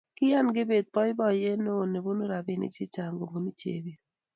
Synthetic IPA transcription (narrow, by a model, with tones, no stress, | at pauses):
kɪ˦ja˦nɡɪ˦be˨d̪̚pɔ˦jbɔ˦˨je˦no˦˨ne˨bo˦no˦ɾa˨bɪ˨nḭ˦t͡ʃi˦t͡ʃa˨ŋɡo˨ŋɡo˨ni˦t͡ʃḛ˨be˦˨